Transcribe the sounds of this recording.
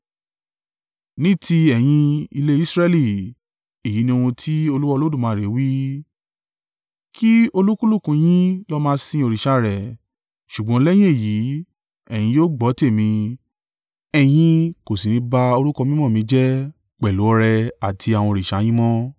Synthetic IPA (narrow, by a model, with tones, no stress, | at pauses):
nĩ˦tʰi˧ɛ˨j̃ĩ˧i˧le˦i˦sɾɛ˧li˦˨ | e˦˨ji˨˦nĩ˧wũ˧tʰi˦o˧lu˦wɔ˦˧lo˦du˦˨mãː˨˧˦ɾe˨˦wi˦ | kʰi˦o˧lu˦ku˦lu˦˨kũ˧j̃ĩ˦lɔ˦mãː˦˧sĩ˧o˧ɾi˨ʃa˧ɾɛ˨ | ʃu˨ɡ͡bɔ̃˨˦lɛ˦j̃ĩ˦e˦˨ji˨˦ | ɛ˨j̃ĩ˧joː˦ɡ͡bɔ˨˦te˦˨mĩ˧ | ɛ˧˨j̃ĩ˧ko˨si˨nĩ˧˦ba˧o˧ɾu˦kɔ˧mĩ˦mɔ̃˦˨mĩ˧˦d͡ʒɛ˦ | k͡pɛ˨lu˨˦ɔ˧ɾɛ˧a˨tʰi˧a˨w̃ɔ̃˧ɾi˨ʃa˨˦j̃ĩ˦mɔ̃˦